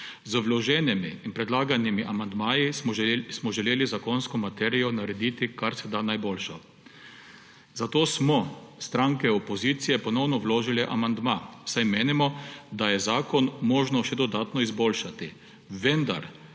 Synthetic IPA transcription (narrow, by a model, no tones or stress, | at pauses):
zəʋlɔʒɛːnɛmiːnpɾɛd̪laːɡanimiʔamand̪maːjismɔʒɛleːlizakɔnskɔmat̪ɛːɾijɔnaɾɛd̪iːt̪ikaɾsɛd̪anajbolʃɔ | zat̪oːsmɔst̪ɾaŋkɛɔpɔziːt̪sijɛpɔnɔwnɔwloːʒilɛʔamand̪mawsajmeːnimɔd̪ajɛzaːkɔnmɔːʒnɔʃɛd̪ɔd̪aːt̪nɔizboːlʃat̪i | ʋɛnd̪a̰ɾ